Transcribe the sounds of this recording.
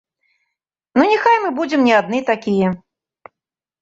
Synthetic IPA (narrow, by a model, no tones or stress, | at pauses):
nunʲixajmɨbud͡zʲɪmnʲɛad̪̚nɨt̪akʲijɛ